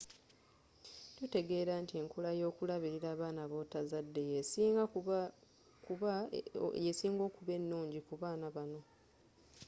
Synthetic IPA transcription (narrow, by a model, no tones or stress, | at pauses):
tute̞ɡe̞ːɾantie̞ŋkulajo̞ːkulaβiɾiɾaːβaːnaβo̞ːtazadːe̞jesiːŋɡa | kuβa̰jesiːŋɡo̞ːkuβe̞nːuːɲɟikuβaːnaβano̞